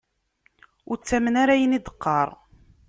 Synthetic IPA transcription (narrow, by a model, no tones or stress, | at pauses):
ʊɾt͡sːæmənaɾæjənid̪ə̥qːɑɾˤ